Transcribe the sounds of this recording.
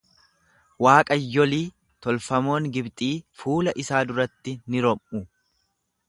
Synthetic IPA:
waːkʼɐjːɔliː | t̪ɔlfɐmo̞ːŋɡɪbt̪ʼiːfuːlɐʔɪsaːd̪ʊɾɐt̪ːɪnɪɾɔmʊ

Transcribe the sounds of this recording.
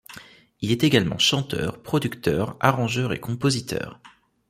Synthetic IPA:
ilɛt̪eɡalmɑ̰̃ʃɑ̃t̪œ̰ːʁpχɔd̪ykt̪œːʁaʁɑ̃ʒœʁḛkɔ̃pozit̪ʰœ̰ːʁ

